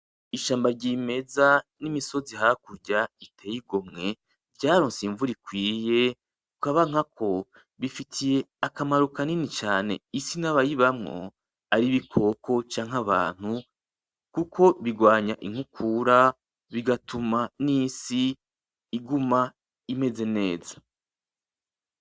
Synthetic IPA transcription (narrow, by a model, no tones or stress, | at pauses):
iʃaːmbaɾɟime̞zanimiso̞ziɦakuɾɟaitʰe̞ːjiɡomŋe̞ | vɟaːɾo̞ːnsiɱvuɾikwiːje̞ | kukaβaŋ̥akʰo̞ | βifitʰije̞akamaɾukaninit͡ʃaːne̞̰isinaβajiβamŋo̰ | aɾiβikʰo̞kʰo̞t͡ʃaːŋɦaβa̰ːn̥hu | kukʰo̞βiɡwaːɲaʔiŋ̥hukʰuɾa | βiɡatʰumanisiː | ɡuma | ime̞ze̞ne̞ːzḁ